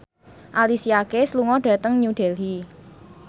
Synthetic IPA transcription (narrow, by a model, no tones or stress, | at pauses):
ʔalisiakesluŋɔɖ̥ä̤t̪əŋɲuɖ̥ɛ̤lɦi